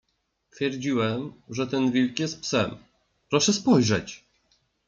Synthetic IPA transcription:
t̪fʲjɛɾd͡ʑiwɛmʐɛt̪ɛnvʲilkjɛst̪̚psɛm | pɾɔʂɛspɔjʐɛt͡ɕ

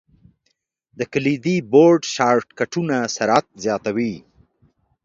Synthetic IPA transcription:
d̪əkəlid̪iboɾɖʃɑɾʈkaʈunasaɾat̪̚zjɑt̪awi

